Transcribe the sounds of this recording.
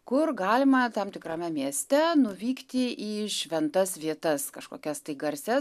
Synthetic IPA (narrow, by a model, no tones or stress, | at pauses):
kʊrɡɑːlʲɪmɐt̪ɐmt̪ʲɪkrɐːmʲɛmʲiɛsʲt̪ʲɛnʊʋʲiːkt̪ʲɪʔɪʃʲʋʲɛnt̪ɐsʋʲiɛt̪ɐskɐʃko̰ːkʲɛst̪ɐɪɡɐɾʲsʲɛ